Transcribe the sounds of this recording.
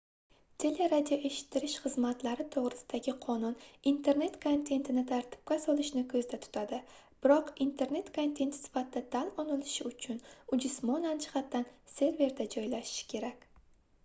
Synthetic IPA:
t̪ʰe̞le̞ɾad̪ʲijoʔe̞ʃɪ̥t̪ʰːɪɾɪʃχɨzmat̪laɾɪt̪ʰoʁɾɪsɪd̪aɡʲɪqʰɒnʊnint̪ʰe̞ɾne̞t̪kʰont̪ʰe̞nt̪ʰɪnɪt̪ʰaɾt̪ʰɪ̥p̚kʲasɒlˠɪʃnɪkʰɵzd̪at̪ʰʊ̥t̪ʰad̪ɪ | b̥ɪɾɒqint̪ʰe̞ɾne̞t̪kʰo̞nt̪ʰe̞nt̪ʰɪsɪ̥fat̪ʰɪd̪at̪ʰalɒnɪlɪʃɪʊt͡ʃʰʊnʊd͡ʒʊsmɒnant͡ʃʰɪ̥χat̪ːanse̞ɾve̞ɾd̪ad͡ʒɒjlaʃɪ̥ʃɪ̥kʲʰe̞ɾakʲ

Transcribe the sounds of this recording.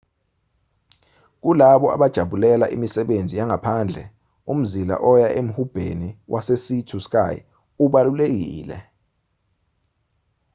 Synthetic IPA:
k̬ulaɓɔa̰ɓad̥ʒ̥ʱaɓulɛlaʔḭmisɛɓend͡zʱijaŋapʰand͡ɮʱɛ | um̩zila̰ʔɔjaʔem̩hub̥ʱḛniwʔasesitʰusk̬ʼa̰j̰ | uɓalulek̬iːlɛ̰

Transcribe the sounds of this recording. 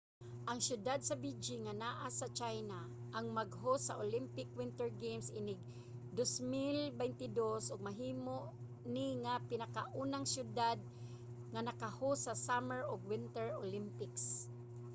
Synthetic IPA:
ʔaŋsjʊd̪ad̪̚sabid͡ʒɪŋanaːʔasat͡ʃajnaʔaŋmaɡɦosaʔolɪmpɪkwɪnt̪ɛɹɡejmsʔɪnɪɡ̚ | d̪osmɪlbɛjnt̪ɪd̪osʔʊɡ̚maɦiːmoʔ | niŋapɪnakaʔuːnaŋsjʊd̪ad̪̚ | ŋanakahosasamɛɹoɡwɪnt̪ɛɹolɪmpɪks

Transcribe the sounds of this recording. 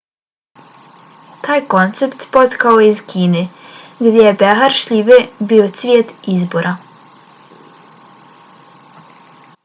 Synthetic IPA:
t̪aːjko̞nt̪sept̪pot̪kaojeizkʰiːneɡd̪ʲjejebeɦaɾʃʎiʋebiot̪sʋʲjeːt̪izbo̞ɾʔa

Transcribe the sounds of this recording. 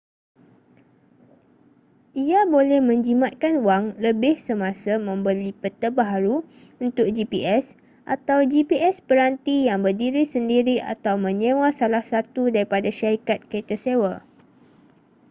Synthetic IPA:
ʔiabolɛhmə̃ɲd͡ʒimat̪̚kanuwaŋləbɪhsəmãsamə̃mbəlipət̪əbaɦaɾu | unt̪ʊk̚d͡ʒipiʔɛs | ʔa̰t̪awd͡ʒipiɛspəɾant̪ijaŋbərdiɾisəndiɾia̰t̪awmə̃ɲẽwasalahsat̪udaɾipadaʃaɾikat̪̚kəit̪əsewa

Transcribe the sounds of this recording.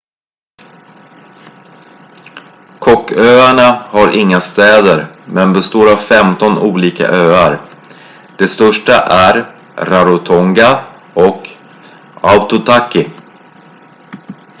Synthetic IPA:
kʰɔkːøːaɳahaɾʔɪŋːast̪ɛːd̪əɾmɛnbɛst̪oːɾavfɛmt̪ɔnuːliːka̰ʔøːaɾ | d̪̥ɛst̪œʂʈaʔæɾ | ɾaɾʊt̪ʰɔŋɡa | ɔk | aʊt̪ʊt̪ʰakːɪ

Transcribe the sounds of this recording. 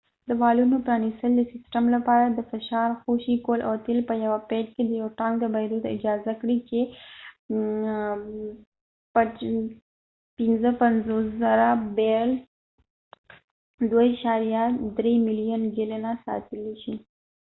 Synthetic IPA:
d̪əmɑlunopɾɑnist̪əld̪əsɪsʈamlapɑɾad̪əfɪʃɑɾxoʃikolʔat̪ɪlpəjawapeʈked̪əjawʈɑŋɡd̪əbaɾud̪ɪ̰d͡ʒɑzakɽit͡ʃe | p | pɪnzəpanzoszaɾabel | d̪waiʃɑɾjad̪ɾemɪlijənɡɪlenasɑ̰t̪əleʃi

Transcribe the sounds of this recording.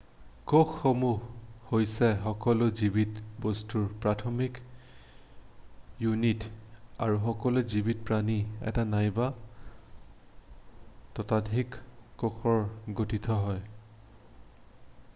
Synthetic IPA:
koxxomuɦhojsɛxɔkɔlʊzibitbostuɹpɹatʰɔmik | junitaɹuxɔkɔlozibit̚pɹaniɛ̰tanajba | tɔtadʱikːoxʰɔɹɡotitʰɔɦɔj

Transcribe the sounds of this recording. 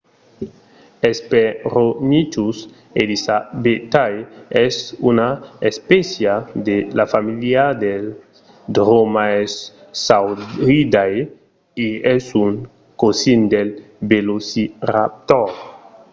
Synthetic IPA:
espeɾonit͡ʃus | elisabet̪ajɛsunaespɛsjad̪elafamiljad̪el | d̪ɾomaɛs | awid̪aj | iɛsuŋ | kosind̪el | belosirap̚t̪ɔɾ

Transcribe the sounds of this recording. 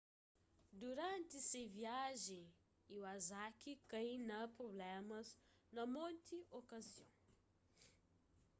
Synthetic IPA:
d̪uɾɐ̃nt̪ɪseviaʒẽ | iuazakikɐnɐpɾoblɛmɐznɐmõnt̪iʔokɐziõ̰

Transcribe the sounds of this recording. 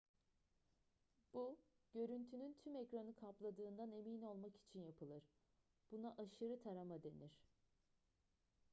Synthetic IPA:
b̥u | ɟ̥ø̞ɾynt̪ʰynynt̪ʰymɛcɾanɯkʰaplˠad̪ɯːnd̪ane̞mino̞lˠmaki̥t͡ʃʰinjapʰɯlˠɯɾ | b̥unaʔaʃɯɾɯt̪ʰaɾamad̪e̞niɾ̥

